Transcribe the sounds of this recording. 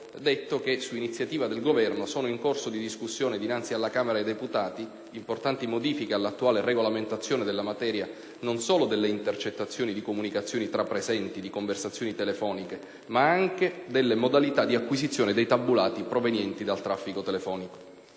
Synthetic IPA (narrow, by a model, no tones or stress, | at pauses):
d̪et̪ːok̟esuinit̪sjat̪iːvad̪elɡovɛrnosoːnoiŋkorsod̪id̪iskusːjoːned̪inant̪sialːakaːmeɾaed̪eput̪aːt̪i | import̪ant̪imod̪iːfikealːat̪ːuaːlereɡolament̪at̪sːjoːned̪elːamat̪ɛːɾja | nonsoːlod̪elːeint̪ert͡ʃet̪ːat̪sːjoːnid̪ikomunikat̪sːjoːnit̪ɾapːɾezɛnt̪id̪ikoɱversat̪sːjoːnit̪elefɔːnike | maaŋked̪elːemod̪alit̪ad̪iakːwizit̪sːjoːned̪ejt̪abːulaːt̪ipɾovenjɛnt̪id̪alt̪ɾafːikot̪elefɔːniko̥